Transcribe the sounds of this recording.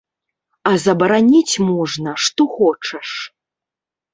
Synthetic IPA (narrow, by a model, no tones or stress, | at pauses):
ɐzɐbɐɾanʲit͡sʲmɔʐnɐʂt̪ɔxɔt͡ʂɐʂ